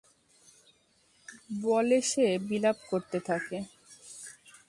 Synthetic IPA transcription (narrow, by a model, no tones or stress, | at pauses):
bɔleʃebilapkoɾt̪et̪ʰake